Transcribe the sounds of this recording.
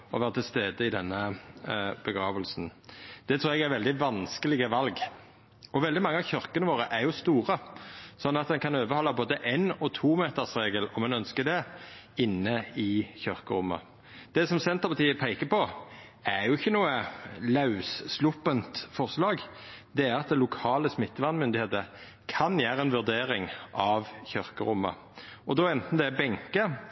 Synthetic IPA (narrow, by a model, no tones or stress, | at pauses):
ɔʋæːʁət̪ʰɪlst̪eːd̪əɪd̪ɛnːə | b̥əɡʁɑːʋəlsn̩d̪̥ɛt̪ʰɾuːɾɛɡæʁʋɛld̪ɪʋɑnskəlɪɡəʋɑlɡ | ɔʋɛld̪ɪmɑŋːəɑʋçœʁkənəʋoːʁəʔæʁjʊst̪uːʁəsɔnːɑt̪̚d̪ɛnkʰɑnøːbəhɔlːɑboːd̪əʔenɔt̪ʰuːmeːt̪əsʁeːɡəlɔmɛnœnskəd̪ɛ | ɪnːəɪçœʁkəɾʊmːɑ̰ | d̪̥ɛsɔmsɛnt̪əʁpɑt̪ʰiːəpʰæɪkəpʰɔ | æʁjʊɪçːənuːəlɑʉsslʊpːənt̪fɔʁslɑːɡ | d̪ɛæɾɑt̪̚d̪ɛlʊkʰɑːləsmɪt̪ːəʋɑnmʏnd̪ɪheːt̪ə | kʰɑnjæːɾəɛnʋʉʁd̪eːɾɪŋʔɑʋçœʁkəɾʊmːɑ̰ | ʔɔd̪ɔɛnt̪n̩d̪ɛbɛŋkə